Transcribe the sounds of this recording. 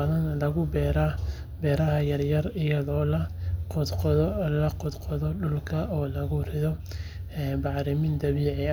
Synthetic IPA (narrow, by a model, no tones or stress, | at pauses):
ðɐnlɐɣʊbɛɾɐ | bɛːɾɐɦɐjɐrjɐrɪjɐðɔːlɐq̪qlɐqʊd̪qɔðɔɖʊlkʰɐʔɔːlɐɣʊrɪðɔ | ɛːbɑʕɾɪmɪnd̪ɐβiːʕɛ